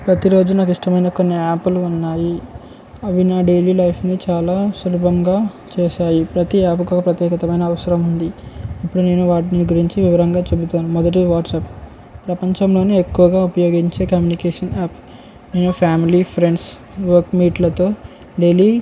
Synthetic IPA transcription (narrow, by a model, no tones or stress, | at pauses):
pɾɐt̪iɾo̞ːd͡ʒunaːkiʂʈɐmɐjnɐkonːiaːpuluunːaːji | ɐʋinaːɖe̞liːlɐjpʰnit͡ʃaːlaːsuɾubʱɐŋɡaː | t͡ʃeːʃaːjipɾɐt̪iaːpkoːkɐpɾɐt̪jɛːkɐt̪ɐmɐjnɐːʋɐsɐɾɐmund̪iipːuɽune̞ːnuʋaːʈiniɡuɾiɲt͡ʃiʋiʋɐɾɐŋɡaːt͡ʃe̞but̪aːnumɔd̪ɐʈ̬iʋaːʈsɐp | pɾɐpɐɲt͡ʃɐmlo̞ːniekːuʋɐɡaːupɐjo̞ːɡiɲt͡ʃe̞ːkɐmjunikeːʂɐnaːp | ne̞ːnupʰaːmilipʰɾe̞ɳɖs | ʋɐɾkmiːʈlɐt̪o̞ː | ɖe̞ːliː